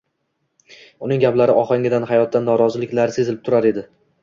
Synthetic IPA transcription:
ʊnɪŋɡʲaplaɾɪʔɒχɑŋʲɪd̪anhajɒt̪ːanːɒɾɒzɪlɪkʲlaɾsezɪlɪp̚t̪ʰʊɾaɾe̞d̪ɪ

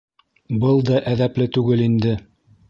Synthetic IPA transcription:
bɤlˠd̪ɑʔæðæplɘt̪ʉɡɘlind̪ɘ

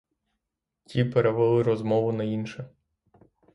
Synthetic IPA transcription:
tʲipeɾeʋelˠɪɾɔzmɔʋʊnɐinʃɛ

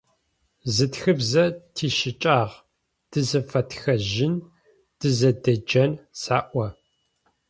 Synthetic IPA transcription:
zɨtxɨbzɐtʰiːʃɪt͡ʃʼaːʁ | d̥ɨzɐfɐtxɐʒɪn | d̥ɨzɐdɐd͡ʒɐnsaːʔʷɐ

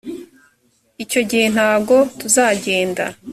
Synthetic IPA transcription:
ico̞ɟihe̞n̥haːɡo̞tuzaːɟe̞ːnda̰

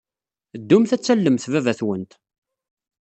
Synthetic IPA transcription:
d̪ːʊmθæt͡sːælːəmθvævæθwənt̪

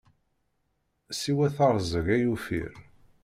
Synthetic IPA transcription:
siwæθɑɾˤzəɣæjufḭɾ

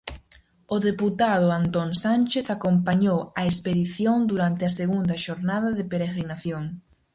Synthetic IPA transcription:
oðeput̪að̞ʊant̪onsanʲt͡ʃeθakompaɲowaespeðiθjond̪uɾant̪easeɣund̪aʃoɾnaðaðepeɾeɣɾinaθjoŋ

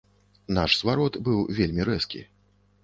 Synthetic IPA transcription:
naʂsvaɾɔt̪bɨwvʲelʲmʲiɾɛskʲḭ

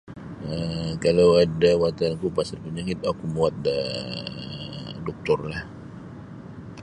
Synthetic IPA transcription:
əkalawadawat̪ankupasərpuɲakit̪̚akumuat̪̚da | dɔk̚t̪ɔrlah

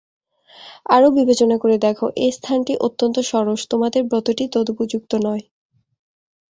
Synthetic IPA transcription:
aɾobibet͡ɕonakoɾed̪ɛkʰo̰ʔest̪ʰanʈiʔot̪ːont̪oʃɔɾoʃt̪omad̪eɾbɾɔt̪oʈit̪od̪opud͡ʑuk̚t̪onɔe

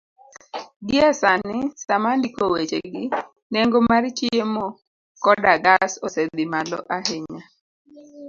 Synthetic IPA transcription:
ɡɪasanɪsamandikowet͡ʃeɡɪ | neŋɡomart͡ʃiemɔ | kɔdaɡasɔsed̪ɪmalɔ̰ʔaɦeɲa

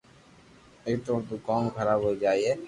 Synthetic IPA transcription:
eːkt̪oːɾt̪uːkaːmkʰəɾaːbɦoːid͡ʒaːieː

